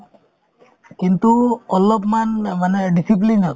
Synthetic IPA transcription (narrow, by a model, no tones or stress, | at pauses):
kint̪uɔlɔpmanmanɛɖisip̬lina